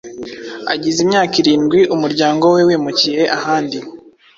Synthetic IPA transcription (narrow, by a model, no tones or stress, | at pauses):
a̰ɟizimɲaːkiɾiːnɡwiʔumuɾɟaːŋɡo̞we̞wiːmucije̞ʔahaːndi